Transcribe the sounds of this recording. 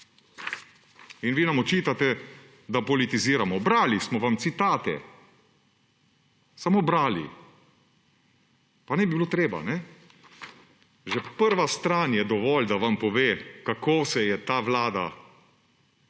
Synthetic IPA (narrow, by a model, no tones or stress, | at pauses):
inʋiːnamɔt͡ʃiːt̪at̪ɛ | d̪apɔlit̪iziːɾamɔbɾaːlismɔʋamt̪sit̪aːt̪ɛ̰ | samoːbɾaːlḭ | panɛbibiloːt̪ɾeːba̰nɛ | ʒɛpəɾʋast̪ɾaːnjɛd̪ɔʋɔld̪aʋampɔʋeːkakoːsɛjɛt̪aːʋlaːd̪a̰